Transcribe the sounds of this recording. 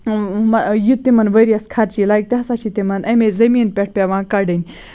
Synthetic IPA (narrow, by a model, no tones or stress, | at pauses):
mɐjut̪imɐnʋɐɾʲiɐskʰɐɾt͡ʃilajk̚t̪iɦɐsat͡ʃit̪imɐnʔɐmezɐmiːnpʲeʈ̚ʰpʲaʋãːkɐɖɐnʲ